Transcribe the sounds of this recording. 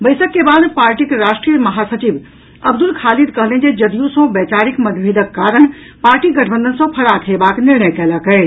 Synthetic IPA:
bɐɪsəkːebaːd̪paːɾʈikɾaːʃʈɾijəmɐɦaːsɐt͡ʃib | ɐbd̪ʊlkʰaːlid̪kɐɦlẽd͡ʒed͡ʒɐd̪ijũsɔ̃bɛːt͡ʃaːɾɪkmɐd̪bʱiːd̪əkːaːɾəɳ̃ | paːɾʈiɡɐʈʰəbə̃nd̪ənsɔ̃pʰɐɽat̪ʰebaːknɪɾɳəjkɛːlakəe

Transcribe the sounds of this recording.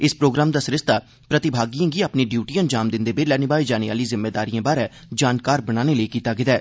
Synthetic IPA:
ɪspɾoːɡɾaːmd̪aːsɾɪst̪aː | pɾət̪ɪbʱaːɡijãːɡiːaːpniːɖjuːʈiːənd͡ʒaːmd̪ɪnd̪eːbeːlɛːnibaːiːd͡ʒaːneʋa̰ːliːzɪmːeːd̪aːɾiːãːbaːɾɛː | d͡ʒaːnkaːɾbəɽaːneːləiːkiːt̪aːɡɪd̪ɛː

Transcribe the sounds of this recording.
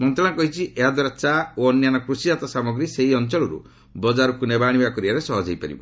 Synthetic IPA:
mɔnt̪ɾɔ̃ɽ̃akɔɦit͡ʃʰiʔʔeɦad̪ɔɾasaoɔnjanɔkɾusiat̪ɔsamɔɡɾiseɦiɔnt͡ʃɔɭɔɾṵ | bɔd͡ʒaɾukunebaɽ̃ibakɔɾiaɾesɔɦɔd͡ʒʱejpa̰ɾḭbɔ̰

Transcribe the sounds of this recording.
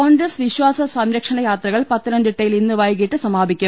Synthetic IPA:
koːŋɡɾɐsʋiɕʋaːsɐsɐmɾɐkʂɐnɐjaːt̪rɐɣɐɭpɐt̪ːinɐnd̪iʈːɐjilinːɨʋɐjɣiʈːɨsɐmaːbʱikʲːum

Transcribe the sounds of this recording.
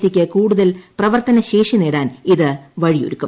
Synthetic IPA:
sikʲːɐkuːɽuðɐlprɐʋɐrt̪ɐnɐɕeːʂineːɽaːniðɨʋɐɻijo̰ɾukːum

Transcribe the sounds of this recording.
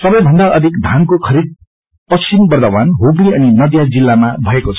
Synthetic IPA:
sʌbʌ̃j̃bʱʌnd̪aʔʌd̪ʱikd̪ʱankokʰʌɾid̪̚ | pʌt͡sʰimbʌrd̪ʌbanɦobliʌninʌd̪jad͡zilːamabʱʌekot͡sʰʌ̥

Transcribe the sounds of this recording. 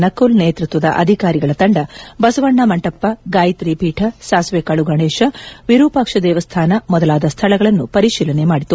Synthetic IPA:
nɐkːulneːt̪ɾut̪ʋɐd̪ɐ̰ʔɐ̰d̪ʱikaːɾiɡɐɭɐt̪ɐɳɖɐbɐsɐʋɐɳːɐmɐɳʈɐpːɐɡaːjt̪ɾipiːʈʰɐsaːsʋeːkaɭuɡɐɳeːʂɐʋiɾuːpɐkʂɐd̪ɛːʋɐst̪ʰaːnɐmɔd̪ɐlaːd̪ɐst̪ʰɐlɐɡɐɭɐnːupɐɾiʃiːlɐnemaːɽit̪ːu

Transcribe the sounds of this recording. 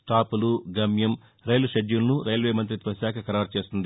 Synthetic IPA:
ʈaːpuluɡɐmjɐm | ɾɐjluʃeɖjulɐnuɾɐjlʋeːmɐnt̪̬ɾit̪ʋɐʃaːkʰɐkɐɾaːɾt͡ʃe̞ːst̪und̪i

